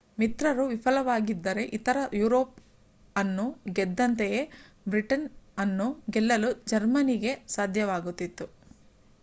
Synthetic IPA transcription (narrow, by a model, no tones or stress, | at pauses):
mit̪ɾɐɾuʋipʰɐlɐʋaːɡid̪ːɐɾe̞ʔit̪ɐɾɐjuːɾo̞ːp̚ | ɐnːuɡɛd̪ːɐnt̪eje | bɾiʈɐnɐnːuɡɛlːɐlud͡ʒɐɾmɐniɡe̞saːd̪ʱjɐʋaːɡut̪ːit̪ːu